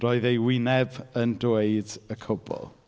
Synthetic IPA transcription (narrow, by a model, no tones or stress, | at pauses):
rɔːɨðejwɪnɛbəndweɨdəkʰʊbɔ̰lˠ